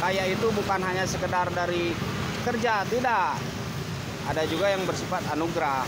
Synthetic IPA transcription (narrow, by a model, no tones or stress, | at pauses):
kajaʔit̪ubukanɦaɲasəkədardaɾi | kərd͡ʒat̪idaʔ | adad͡ʒuɡajaŋbərsifat̪anuɡɾa